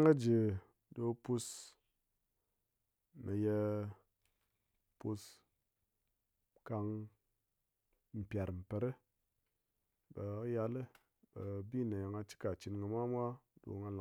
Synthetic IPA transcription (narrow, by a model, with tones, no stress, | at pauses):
ŋə˦d͡ʒe˨ | do˧pu˧s | me˨je˧ | pu˧s | ka˧ŋ | m̩˨pʲja˨ɾm̩˨pe˨ɾe˦ | be˨˦ja˧le˦ | be˨bi˦˨na˨ja˨ŋa˧t͡ʃi̥˦ka˨t͡ʃi˧nɡə˨mʷa˦mʷa˦do̰˨ŋa˧la˨